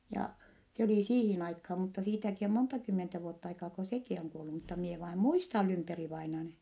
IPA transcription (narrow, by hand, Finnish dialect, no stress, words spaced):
jɑ se oliˑ siːhin ɑikhɑː mutːɑ siːtæki om montɑ kymːentæ ʋuotː ɑikɑː ko sekiˑ oŋ kuolːu mutːɑ mie ʋɑim muistɑl lymperiʋɑinɑn